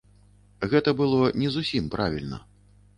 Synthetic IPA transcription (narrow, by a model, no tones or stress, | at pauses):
ɣɛt̪ɐbɨlˠɔnʲɛzusʲimpɾavʲilʲnɐ̰